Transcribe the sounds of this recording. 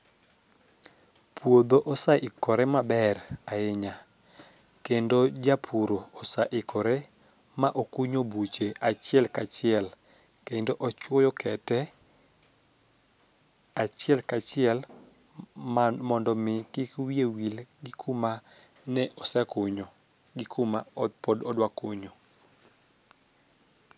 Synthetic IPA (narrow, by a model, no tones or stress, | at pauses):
pʰwod̪oʔɔsaʔɪkɔɾɛmabɛraɪɲa | kendod͡ʒapʰuɾoːsaʔɪkʰɔɾɛ | maʔokuɲobut͡ʃeat͡ʃɪɛlkat͡ʃɪɛl | kendoʔɔt͡ʃwɔjɔkɛtɛ | at͡ʃɪɛlkat͡ʃɪɛl | mɔndɔmɪkɪkwiewilɡɪkʰuma | nɛʔɔsɛkʊɲo | ɡɪkʰumaɔpɔdɔdwakoɲo